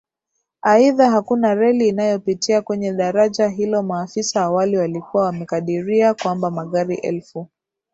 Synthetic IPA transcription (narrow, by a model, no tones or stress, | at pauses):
aiðaɦakunaɾɛliːnajɔpitiakwɛɲɛɗaɾaʄaɦilɔmaːfisaːwaliwalikuwawamɛkaɗiɾiakwambamaɠaɾiʔɛ̰lfu